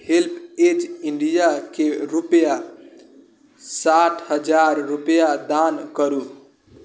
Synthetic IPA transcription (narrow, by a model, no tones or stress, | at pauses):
hilpʰet͡ʃiɳɖijakeɾupja | saʈʰhəd͡ʒaɾːupjad̪ankəɾu